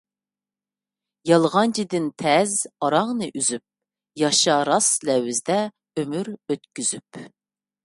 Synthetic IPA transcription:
jɑlˠʁɑnt͡ʃʰid̪ɪnt̪ʰɛzɑɾɑŋnɨʔyzyp̚ | jɑʃɑɾɑslɛwɪzd̪ɛ | ømyɾøt̪kʲyz̥yp

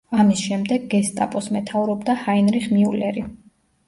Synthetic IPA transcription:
amisʃɛmd̪ɛɡːɛst̪ʼa̰pʼɔsmɛt̪ʰavɾɔbd̪ahainɾiχmiulɛɾi

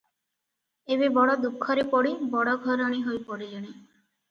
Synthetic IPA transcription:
eβebɔɽɔd̪ukʰːɔɾepɔɽibɔɽɔɡʱɔɾɔɽ̃iɦojpɔɽid͡ʒɔɽ̃i

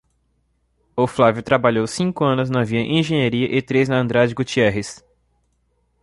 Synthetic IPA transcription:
oflavjʊt̪ɾabaʎowsĩŋkʊɐ̃nʊznɐviɐʔẽʒẽɲaɾiɐʔɪt̪ɾeznɐɐ̃nd̪ɾad͡ʒɪɡut͡ʃiɛɦɪs

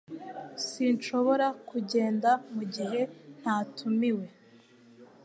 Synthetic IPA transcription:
sinʃo̞βo̞ɾakuɟe̞ːndamuɟiɦe̞n̥haːtumiwe̞

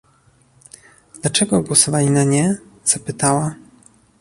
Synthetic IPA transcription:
d̪lat͡ʂɛɡɔɡwɔsɔvalʲinaɲɛz̥apɘt̪awa

